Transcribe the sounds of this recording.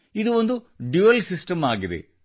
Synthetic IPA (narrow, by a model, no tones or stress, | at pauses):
id̪uond̪u | ɖjuːɐlsisʈɐmaːɡid̪ḛ